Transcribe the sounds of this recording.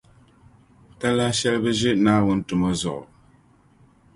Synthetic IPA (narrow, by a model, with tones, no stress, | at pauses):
ta˦la˦ʃɛ˦lbɨ˦ʒɪ˦ʔnaː˦wu˦n˦tu˨mɔ˦zɔ̰˨ʔɔ̰˨